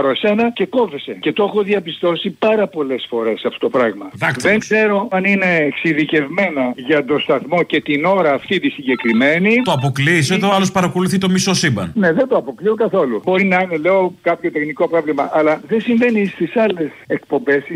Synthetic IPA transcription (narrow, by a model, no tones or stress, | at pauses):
ɐɾoese̞nɐce̞ko̞vesece̞t̪oexoðiɐpist̪o̞sipɐɾɐpo̞le̞sfo̞ɾe̞sɐft̪o̥t̪o̞pɾɐɣmɐðɐkðeŋkse̞ɾo̞ɐnine̞ksiðice̞vmenɐʝɐt̪o̞st̪ɐθmo̞ce̞t̪ino̞ɾɐːft̪it̪isiɲɟe̞kɾime̞nit̪oɐpokliset̪alospɐɾɐko̞luθit̪o̞misosibɐ̰nne̞ðent̪oɐpo̞kliokɐθo̞lubo̞ɾinɐine̞le̞o̞kɐpço̞t̪e̞xniko̞pɾo̞vlimɐʔɐlɐðesiɱve̞nist̪isɐle̞se̞k̚po̞mbe̞s